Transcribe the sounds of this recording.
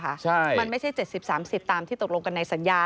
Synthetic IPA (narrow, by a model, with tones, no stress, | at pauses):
a˦˥t͡ɕʰa˥˩ma˧nma˥˩jt͡ɕʰa˥˩jt͡ɕe˨˩si˨˩p̚saː˩˦msi˨˩p̚t̪aː˧mt̪ʰiː˥˩t̪o˨˩k̚o˧ŋka˧nːa˧jsa˩˦njaː˧